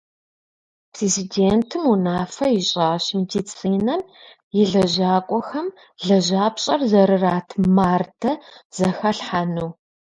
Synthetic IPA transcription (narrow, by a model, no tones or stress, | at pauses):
pʰrezideːntʰɨmunaːfɐjɪɕʼaːɕmidit͡sʼiːnɐm | jɪɮɐʑaːkʷʼɔxɐm | ɮɐʑaːpɕʼɐrzɐɾɨraːtʰmaːrdʰɐz̥ɐxɐɬħanuː